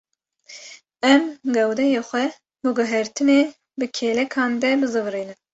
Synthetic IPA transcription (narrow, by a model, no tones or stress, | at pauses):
ɛmɡɛwd̪ɛjeːxʷɛ | bɨɡɨɦɛɾt̪ʰɨneː | bɨkʰeːlɛkʰɑːnd̪ɛbɨzɨvriːnɨm